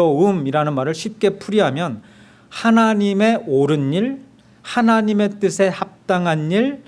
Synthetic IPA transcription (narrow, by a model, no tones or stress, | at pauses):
ʌɯmiɾanɯnmaɾɯɭɕʰip̚k͈e̞pʰuɾiɦamjʌn | hanaɲime̞oɾɯnɲiɭ | hanaɲime̞t͈ɯsʰe̞hap̚t͈aŋɦanːiɭ